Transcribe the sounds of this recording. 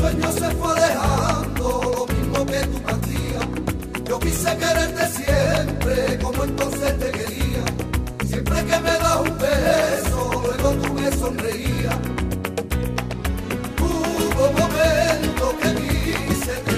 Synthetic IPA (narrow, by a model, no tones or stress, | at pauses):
weɲose̞fweðe̞hand̪olomizmoket̪upat̪ia | ʝokisekeɾeɾt̪esjempɾeko̞moẽnt̪õ̞nseht̪ekeɾiasje̞mpɾekemeðahumbesolweɣot̪umeso̞nreia | t̪uβomoment̪okeðise